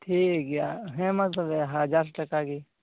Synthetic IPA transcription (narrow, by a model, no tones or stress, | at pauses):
ʈʰiːɡjaɦɛ̃mɐt̪ləbɛɦəd͡ʒaːɾsʈɐkaɡi